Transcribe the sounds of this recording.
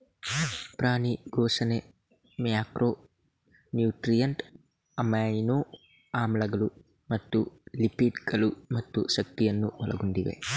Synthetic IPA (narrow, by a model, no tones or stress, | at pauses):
pɾaːniɡoːsɐne | mjaːkɾʔoː | njuːʈɾijɐɳʈ | ɐmɐjnoː | aːmlɐɡɐlu | mɐt̪ːulipiɖɡɐlumɐt̪ːuʃɐk̚t̪ijɐnːuʋɐlʔɐ̰ɡunɖ̪iʋḛ